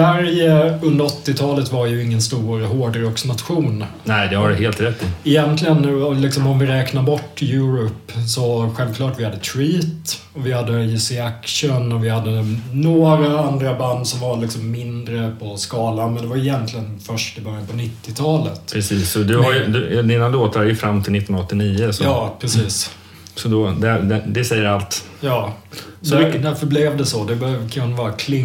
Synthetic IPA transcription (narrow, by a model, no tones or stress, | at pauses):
væɾjəɵnd̪əɾɔt̪ːɪt̪ʰɑːlət̪vaɾjɵɪŋːənst̪uːɾɦoːɖɾɔksnat̪ɧuːn | nɛɪd̪ɛhadɦeːlt̪ɾɛt̪ːɪɪjɛnt̪ʰlɪɡənɔlɪksɔmɔmvɪɾɛːknaɾbɔʈːjʉ̟ːɾʊpsɔɧɛlvklɑːʈvɪhad̪ːət̪ʰɾiːt̪ | ɔvɪhad̪ːəjɪsɪækʂənɔvɪhad̪ːənoːɾaand̪ɾaband̪sɔmvalɪksɔmːɪnd̪ɾəpʰɔskɑːlanmɛnd̪ɛvaɾʏjɛnt̪lɪɡənfœʂʈɪbœɾjanpʰɔnɪt̪ːɪt̪ʰɑːlə̰t̪pʰɾɛsiːsɔd̪ɵhaɾjd̪d̪inaloːt̪aɾæɾjɵfɾamːt̪ʰɪlɪt̪ːɔnɔt̪ːɪniːəsɔɑːpʰɾɛsiːs | sɔd̪ɔd̪æd̪ɛd̪ɛsɛjːəɾalt̪ | jɑːsd̪ɔd̪æɾfœblɛvd̪ɛsɔd̪ɛbœkʰaʊnvɑːɾakʰlɪ